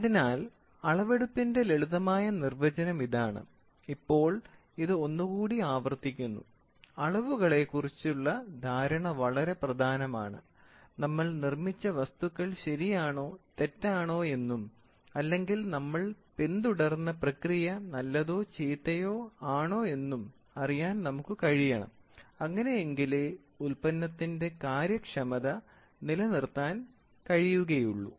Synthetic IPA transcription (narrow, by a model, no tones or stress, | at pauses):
ɐðinaːl | ɐɭɐʋe̞ɽupːinde̞leɭuðɐmaːjɐnirʋɐd͡ʑɐnɐmiðaːɳɨ̰ | ipːo̞ːɭ | iðɨo̞nːuɣuːɽiaːʋɐrt̪ːikʲːunːṵ | ɐɭɐʋuɣɐɭe̞kurit͡ɕːuɭːɐd̪ʱaːɾɐɳɐʋɐɭɐɾe̞prɐd̪ʱaːnɐma̰ːɳɨ̰ | nɐmːɐɭnirmit͡ɕːɐʋɐst̪uɣːɐɭɕɐɾijaːɳo̞ːt̪e̞tːaːɳo̞ːe̞nːum | ɐlːe̞ŋɡilnɐmːɐɭpend̪uɽɐrnːɐprɐkrijɐnɐlːɐðo̞ːt͡ɕejt̪ːɐjo̞ːaːɳo̞ːe̞nːum | ɐrijaːnnɐmukːɨkɐɻijɐɳɐ̰mɐŋːɐne̞jeŋɡile | ulpɐnːɐt̪ːinde̞kaːɾjɐkʂɐmɐðɐ | nilɐnirt̪ːaːn | kɐɻijuɣɐjuɭːṵ